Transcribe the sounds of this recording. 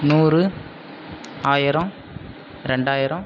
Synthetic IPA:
nuːrɯ | aːjɪɾɐ̃ | ɾɛɳɖaːjɪɾɐ̃

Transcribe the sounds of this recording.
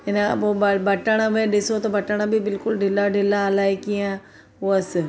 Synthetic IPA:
ɪnã̰obɐbɐʈəɽ̃amẽɗɪsot̪ɐbɐʈəɽ̃abʱibɪlkʊlɖʱɪlaɖʱɪlalaːikiã | oəs

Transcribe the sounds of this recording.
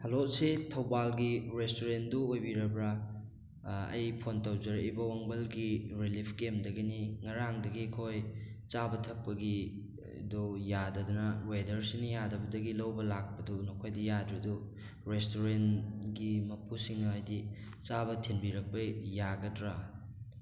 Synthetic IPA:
hɐlotsetʰɐwbalɡiɾestoɾenduojbiɾɐbɾɐ | ɐ̰jpʰontɐwd͡ʒɐɾejbɐwɐŋbɐlɡiɾilipʰkemdɐɡiniŋɐɾaŋdɐɡiɐkʰojt͡ʃabɐtʰɐk̚pɐɡi | dujadɐdunɐwedɐɾsinɐjadɐbɐdɐɡilɐwbɐlak̚pɐdunokʰojdijadɾidu | ɾestoɾenɡimɐpʰusiŋnɐɐjdi | t͡ʃabɐtʰenbiɾɐk̚pɐjaɡɐtɾa

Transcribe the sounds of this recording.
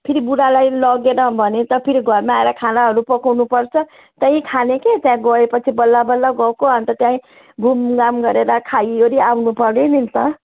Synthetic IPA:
pʰiɾibuɽalajlʌɡeɾʌbʱʌnet̪ʌpʰiɾiɡʱʌrmaaeɾʌkʰanaɦʌɾupʌkʰawnupʌrt͡sʰʌ | t̪ʌjĩkʰaneket̪jãɡʌepʌt͡sʰibʌlːabʌlːaɡʌkoʌnt̪ʌt̪jãĩ | ɡʱumɡamɡʌɾeɾʌkʰajoɾiawnupʌrnenint̪ʌ

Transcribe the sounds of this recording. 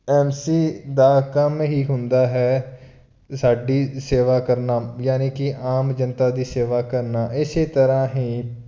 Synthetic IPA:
ɛːmsiːd̪aːkəmɦiːɦʊnd̪aːɦɛː | saːɖiːseːʋaːkəɾnaːjaːniːkɪʔaːmd͡ʒənt̪aːd̪iːseːʋaːkəɾnaːʔɪseːt̪əɾãːɦiː

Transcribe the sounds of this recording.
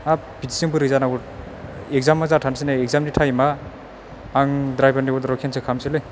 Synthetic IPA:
a | bʰitisiŋbɯɾɯzanaɡu | ek̚zamːazatʰansinaek̚zamnitʰajmaː | ŋdɾajbanibɔɾdɾɔkʰensʰekʰamsilɯj

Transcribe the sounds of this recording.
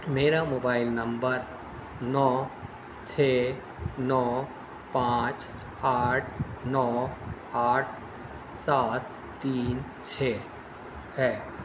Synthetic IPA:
meːɾamoːbaːɪlnɐ̃mbəɾ | nɔː | t͡ʃʰeː | nɔː | pãːt͡ʃ | aːʈʰnɔː | aːʈ̚ʰ | saːt̪ː | iːn | t͡ʃʰeː | hɛː

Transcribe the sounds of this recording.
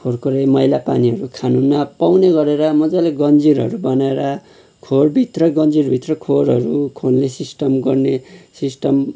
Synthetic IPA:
kʰorkoɾemʌjlapaniɦʌɾukʰanunmapawneɡʌɾeɾʌmʌd͡zaleɡʌnd͡ziɾɦʌ̰ɾubʌnaeɾʌ | kʰoɽbʱit̪rʌɡʌnd͡zirbʱit̪rʌkʰoɾɦʌɾukʰonlesisʈʌmɡʌrnesisʈʌm

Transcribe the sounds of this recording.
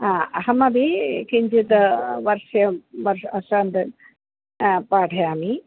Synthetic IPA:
aːɐɦɐmɐbekiɲʲd͡ʒit̪ʋɐɾʂɐjɐʋɐɾɐʂaːnd̪ɐ | paːʈʰɐjaːmi

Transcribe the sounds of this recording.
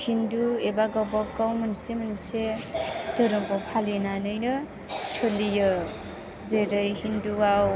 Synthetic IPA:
hinduebaɡɔwbɔkːawmɯnsemɯnsed̥əɾɯmpɔpʰalinanɯjnɯ | solijɯ | zeɾɯjhinduwaw

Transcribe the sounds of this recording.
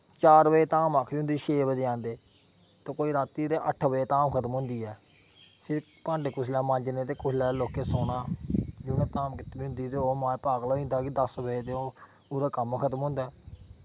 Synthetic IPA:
t͡ʃaːɾʋəeːt̪aːmaːkʰɾiːʊ̃nd̪iːʃeːbəd͡ʒeːãːnd̪eː | t̪ãːkoːiːɾaːt̪iːt̪eːʔəʈʰbəeːt̪aːmkʰət̪əmɦʊ̃ːnd̪iːɛː | sʰɪɾ | pãːɳɖeːkʊslaːmãːnd͡ʒnẽːt̪eːkʊslɛːloːkeːsoːnaːd͡ʒʊːnẽːt̪aːmkɪt̪ːɾiːʊ̃nd̪iːt̪eːoːmãːpaːɡlaːĩnd̪aːkɪd̪əsbəd̪eoː | uːɾaːkəmkʰət̪əmɦʊ̃ːnd̪aː

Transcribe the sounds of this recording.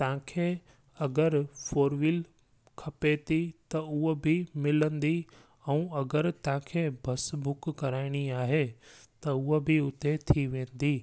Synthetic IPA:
t̪ɐãkʰe | ɐɡəɾfoːɾʋil | kʰɐpet̪it̪ɐʊɦobʱɪmɪlə̃nd̪i | ɛ̃ũːɐɡəɾt̪ɐãːkʰeːbʱɐsbʊkːɐɾaːɪɽ̃iaːɦet̪ɐʊɦobʱɪʊt̪et̪ʰiʋẽːn̆d̪iː

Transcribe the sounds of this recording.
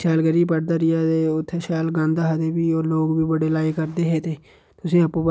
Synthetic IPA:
ʃaːlɡəɾiːpəɽd̪aːɾɪjaːd̪eːʊt̪ʰːeːʃaːlɡãːnd̪aːɦəd̪eːbiːoːloːɡbiːbəɽeːlaːiːkəɾd̪eːɦeːt̪eː | t̪ʊsĩːəpːũːpə

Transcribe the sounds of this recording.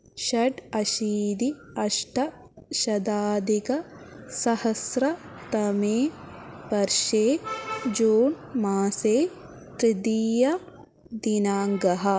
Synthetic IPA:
ʃɐɖɐʃiːd̪i | ɐʂʈɐ | ʃɐd̪aːd̪ikɐ | sɐhɐsɾɐt̪ɐmeːpɐɾʃeːd͡ʒoːɳ | maːseː | t̪ɾid̪ijɐ | d̪inaːŋɡɐɦɐ

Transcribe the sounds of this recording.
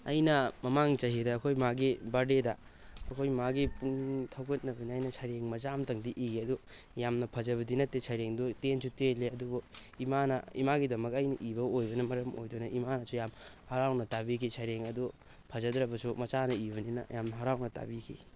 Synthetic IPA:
ɐ̰jnɐmɐmaŋt͡ʃɐɦidɐːkʰojmaɡibaɾdedɐ | ɐkʰojmaɡipuŋtʰɐwɡɐt̚nɐbɐniajnɐsʰɐɾeŋmɐt͡ʃamtɐŋdiʔiɡiɐdu | jamnɐpʰɐzɐβɐdinɐtːesʰɐjɾeŋdɔtensuteleɐdubɔimanɐ̰ḭmaɡidɐmɐkɐjnɐʔibɐojbɐnɐmɐɾɐmo̰jdonɐʔimanɐsujamhɐɾawnɐtabikʰisʰɐjɾeŋɐdu | pʰɐzɐdɾɐbɐsumɐt͡ʃanɐibɐninɐ̰jamnɐɦɐɾawnɐta̰bikʰḭ

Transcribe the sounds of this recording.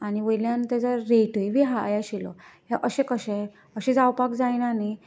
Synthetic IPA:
añiʋəjljãnt̪ad͡zaɾeʈojʋiɦajaɕilɔ̰ɦeʔəɕẽkəɕɛ | əɕẽd͡zawpakd͡zajnani

